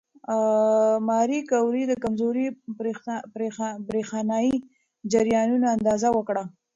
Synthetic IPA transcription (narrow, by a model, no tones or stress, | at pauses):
mɑɾikawɾid̪əkamzoɾi | pɾebɾexɑnɑi | d͡ʒaɾjɑnunaand̪ɑzawəkɽa